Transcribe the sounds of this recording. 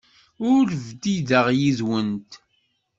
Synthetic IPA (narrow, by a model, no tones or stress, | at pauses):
ʊɾvd̪iðəʁjizwənt̪